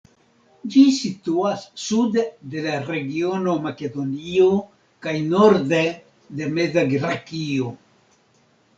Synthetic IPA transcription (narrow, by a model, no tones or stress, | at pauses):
d͡ʒisit̪uasːud̪d̪elareɡionomaked̪onio | kajnoɾd̪e | d̪emezaɡɾakio